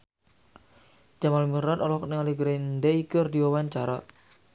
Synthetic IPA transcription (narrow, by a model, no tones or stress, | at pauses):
d͡ʒ̥amalmiɾat̪ɔlɔknɪŋaliɡɾend̪eikərdiwawaɲt͡ʃaɾa